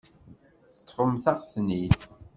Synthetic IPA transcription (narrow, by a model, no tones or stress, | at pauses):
θə̥t̪ˤːfəmθæfθnid̪